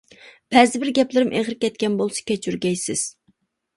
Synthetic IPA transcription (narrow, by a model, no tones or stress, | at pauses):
b̥ɛzɪbɪɾɡʲɛplɪɾɪmʔeʁɾɪkʲɛt̪̚kʲɛnbolˠsɑ̥kʲɛt͡ʃʰyɾɡʲɛjsɪz̥